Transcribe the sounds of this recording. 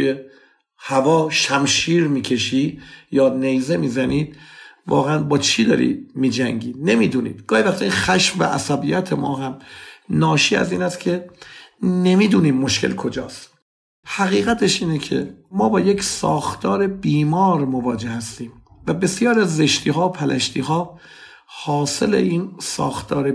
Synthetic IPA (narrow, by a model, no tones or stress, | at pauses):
uje | hævɒːʃæmʃiːɾmiːcʰe̞ʃiːd̪jɒːnejzemiːzæniːd̪̥̚vɒ̰ːɣeænbɒːt͡ʃʰiːd̪ɒ̰ːɾḭd̪miːd͡ʒæŋɟiːd̪ne̞miːd̪uːnḭːd̪̥ɡ̥ɒːhivæxt̪iixæʃvvæ̰ʔæ̰sæbijæt̪ʰemɒːɦæmnɒːʃiːæ̰ziːnæst̪kʲʰe̞ | ne̞miːd̪uːniːmːoʃkʰe̞̰lkʰo̞d͡ʒɒːst̪ | hæɣiːɣæt̪ʰe̞ʃiːnecʰe̞̰mɒːbɒːje̞csɒ̰ːxt̪ʰɒːɾe̞biːmɒːɾmo̞vɒːd͡ʒe̞hæst̪iːmvæbe̞sjɒːɾiæzːe̞ʃt̪ʰiːɦɒːpʰælʔæʃt̪iːɦɒː | hɒːse̞̰lḛʔiːnsɒ̰ːxt̪ʰɒːɾe